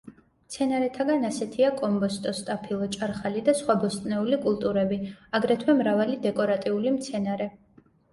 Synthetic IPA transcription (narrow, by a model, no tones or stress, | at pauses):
mt̪sʰɛnaɾɛt̪ʰaɡanasɛt̪ʰiakʼɔmbɔst̪ʼɔst̪ʼapʰilˠɔt͡ʃʼaɾχalid̪asχwabɔst̪ʼnɛulikʼulˠt̪ʼuɾɛbiaɡɾɛt̪ʰwɛmɾavalid̪ɛkʼɔɾat̪ʼiulimt̪sʰɛnaɾɛ